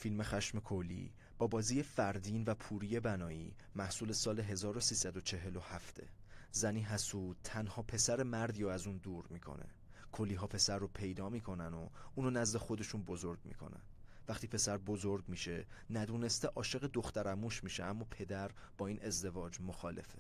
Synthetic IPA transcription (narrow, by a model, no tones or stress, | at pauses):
filme̞xæʃme̞kʰolːḭː | b̥ɒːbɒːziːjefæɾd̪iːnvæpʰuːɾiːje̞bænɒːḭː | mæhsuːle̞sɒːle̞ɦe̞zɒːɾosiːsæd̪o̞t͡ʃʰe̞ɦe̞lo̞hæft̪ʰe̞̰zæniːɦæsuːt̪ʰænhɒːpʰe̞sæɾe̞mæɾd̪iːɾoæzund̪uːɾmiːkʰo̞̰nḛ | kʰolːiːɦɒːpʰe̞sæɾːopʰe̞jd̪ɒːmiːkʰo̞næno̰ʔuːnonæzd̪e̞xo̞d̪e̞ʃunbo̞zoɾɡ̚mḭkʰo̞̰næ̰nvæxχt̪ʰiːpʰe̞sæɾbo̞zoɾɡmiːʃe̞næd̪uːne̞st̪eʔɒːʃe̞ɣed̪oxt̪æɾæmuːʃmiːʃeæmːɒːpʰe̞d̪æɾb̥ɒːiːnʔe̞zd̪e̞vɒːd͡ʒmoxɒːle̞̰fe